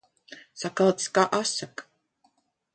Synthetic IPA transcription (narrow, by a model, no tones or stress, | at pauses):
sakalˠt̪skaːʔasak